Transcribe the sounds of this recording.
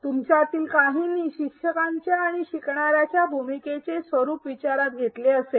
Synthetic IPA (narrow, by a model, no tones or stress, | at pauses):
t̪umt͡ɕjat̪iːlkaɦinːiɕikʂəkaɲt͡ɕjaːɽ̃iɕikɳaɾjat͡ɕjabʱumiket͡sesʋəɾuːpʋit͡ɕaɾat̪ɡʱet̪leəse